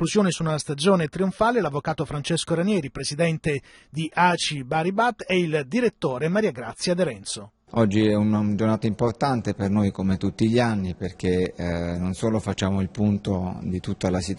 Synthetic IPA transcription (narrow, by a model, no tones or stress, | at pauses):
luzjoːnisunast̪ad͡ʒoːnet̪ɾioɱfaːlelavːokaːt̪ofɾant͡ʃeskoɾanjɛːɾipɾesid̪ɛnt̪ed̪iʔaːt͡ʃibaɾibat̪ːɛild̪iɾet̪ːoːɾemaɾiːaɡɾat̪sːjad̪eɾɛnt̪so | ɔd͡ʒːiɛunad͡ʒornaːt̪aimport̪ant̪epernojkomet̪ut̪ːiʎanːiperk̟enonsoːlofat͡ʃːaːmoilpunt̪od̪it̪ut̪ːalasit̪